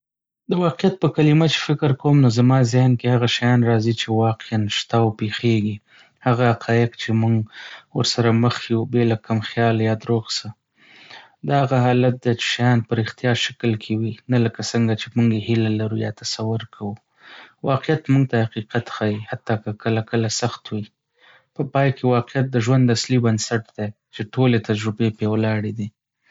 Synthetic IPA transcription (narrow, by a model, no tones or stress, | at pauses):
d̪əwɑqɪjat̪̚pəkalimat͡ʃe̥fɪkɪɾkowmnozamɑzɪhnkehaɣaʃajɑnɾɑzit͡ʃewɑqeanʃt̪awpexeɡi | haɣahaqʰɑjɪqt͡ʃemuŋɡwəɾsaɾaməxjubelakamxjɑljɑd̪ɾoɡsə | d̪ɑaɣaɦɑlat̪̚d̪et͡ʃe̥ʃajɑnpəɾɪxt̪ijɑɾʃḁklkʰewinaləkasəŋɡat͡ʃemuŋɡehɪlalaɾujɑ̰t̪asawʊɾkʰawu | wɑqɪjat̪muŋɡt̪ahaqiqat̪xajihat̪ːɑkakəlakəlasaxt̪wi | pəpɑjkewɑqɪjat̪̚d̪əʒwand̪aslibənsaʈd̪̥e | t͡ʃeʈolet̪ad͡ʒɾʊbepewlɑɽed̪i